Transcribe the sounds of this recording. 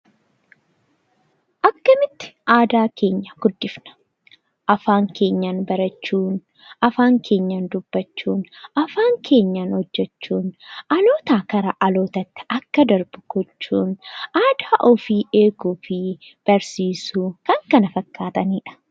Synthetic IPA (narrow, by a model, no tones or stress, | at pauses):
ʔɐkːɐmɪt̪ːɪ̥ʔaːd̪aːkʰe̞ːɲːɐɡʊd̪ːɪfnɐ̥ | ʔɐfaːŋkʰe̞ːɲːaːnbɐɾɐt͡ʃːuːn | ɐfaːŋkʰe̞ːɲːaːnd̪ʊbːɐt͡ʃːuːnʔɐfaːŋkʰe̞ːɲːaːnhɔd͡ʒːɛt͡ʃːuːnʔɐlo̞ːt̪aːkɐɾɐʔɐlo̞ːt̪ɐt̪ːɪ̥ɐkːɐd̪ɐɾbʊ̥ɡ̥ɔt͡ʃːuːnʔaːd̪aːʔɔfiːᶑe̞ːkuːfɪ | b̥ɐɾsiːsuːkɐŋkɐnɐfɐkːaːt̪ɐniːᶑɐ̥